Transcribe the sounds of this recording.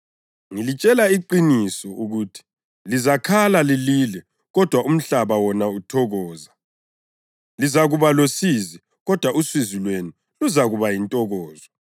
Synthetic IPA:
ŋilit͡ʃʼɛlaiǃinisɔuɣuːtʰi̥ | lizakʰalalililɛ | ɣɔd̥ʱwaʔum̩ɬaβawɔnautʰɔɣɔːza | lizaɣuβalosizi | ɣɔd̥ʱwauswizilweni | luzaɣuβajintʼɔɣɔːzɔ

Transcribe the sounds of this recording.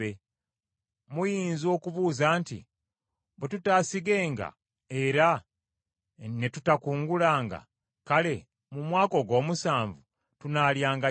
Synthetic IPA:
e | mujiːnzo̞ːkuβuːzaːntḭ | βetutaːsiɡe̞ːŋɡa̰ | e̞ɾa | ne̞tutakuːŋɡulaːŋɡa̰ | kale̞ | mumwaːko̞ɡo̞ːmusaːɱvu | tunaːljaːŋɡa

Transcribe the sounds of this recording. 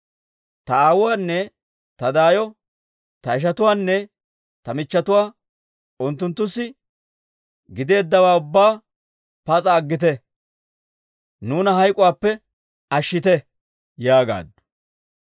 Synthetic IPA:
t̪ɐaːwʊwaːnːɛ | t̪ɐd̪aːjɔ | t̪ɐɪʃ̬ɐt̪ʊwaːnːɛ | t̪ɐmɪt͡ʃːɐt̪ʊwaː | ʊnt̪ːʊnt̪ːʊsːɪ | ɡɪd̪eːd̪ːɐwaːʊbːaː | pɐt͡sʼɐːɡːɪt̪̬ɛ | nuːnɐɦɐjkʼʊwaːpːɛ | ɐʃːɪt̪ɛ | jaːɡa̰ːd̪ɐ̥

